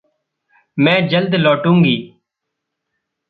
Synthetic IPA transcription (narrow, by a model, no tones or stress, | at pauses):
mɛ̃ːd͡ʒəld̪lɔːʈũːŋɡiː